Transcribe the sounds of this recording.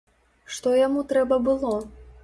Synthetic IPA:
ʂt̪ɔjamut̪ɾɛbɐbɨlˠɔ

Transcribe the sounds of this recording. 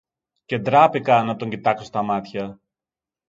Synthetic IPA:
ce̞d̪ɾɐpikɐnɐt̪o̞ɲɟit̪ɐkso̞st̪ɐmɐt̪çɐ

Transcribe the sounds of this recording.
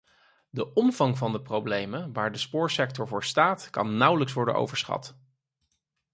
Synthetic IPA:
dəʔɔmvɑŋvɑndəprowblejməʋaːɹdəspʊːɹsɛk̚tɔɹvʊːɹstaːtkɑ̰nːʌwləks̬ʋɔɹdənʔo̰wvəɹsχɑ̰t

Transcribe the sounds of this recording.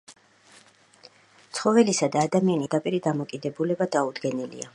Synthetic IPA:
t̪sʰχɔvɛlisad̪aːd̪amianid̪apʼiɾid̪amɔkʼid̪ɛbulɛbad̪aud̪ɡɛnilḭa

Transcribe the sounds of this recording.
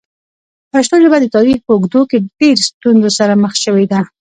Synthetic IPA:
paʃt̪oʒəbad̪ət̪ɑɾixpəʊɡd̪okeɖeɾst̪unzosaɾaməxʃəwed̪a

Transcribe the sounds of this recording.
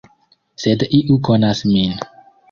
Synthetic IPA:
sed̪iʔukonasmin

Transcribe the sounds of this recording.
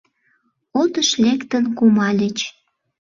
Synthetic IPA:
ot̪əʃlekt̪ənkumɑlʲət͡ɕ

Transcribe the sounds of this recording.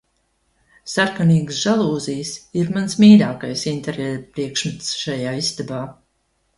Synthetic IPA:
saɾkaniːɡsʒalˠuːzijsiɾmansmiːɾaːkajsint̪eɾepɾiɛkʃmɨt̪sʃajaːist̪abaː

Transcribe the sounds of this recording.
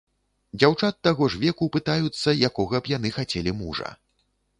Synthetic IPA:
d͡zʲawt͡ʂat̪ːaɣɔʐvʲɛkupɨt̪ajut̪sːɐjakɔɣɐbjan̪ɨxat͡sʲɛlʲimuʐɐ̰

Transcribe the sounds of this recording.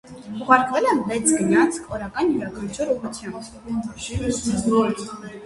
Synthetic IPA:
uʁɑɾkʰvɛlɛmlɛt͡sʰɡəɲɑt͡sʰkʰɔɾɑkɑnjuɾɑɡat͡ʃʰɔɾuʁut͡sʰjɑmt̪

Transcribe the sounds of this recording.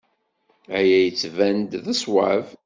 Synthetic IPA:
æjæjət͡sːvænd̪ðæswav

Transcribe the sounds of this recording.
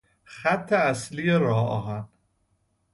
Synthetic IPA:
xæt̪ʰːeæslijeɾɒːɒ̰ːɦæn

